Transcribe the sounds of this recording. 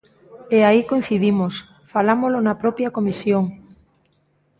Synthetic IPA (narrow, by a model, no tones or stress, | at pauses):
eaikojn̟θiðimos | falamolonɐpɾɔpjɐkomisjoŋ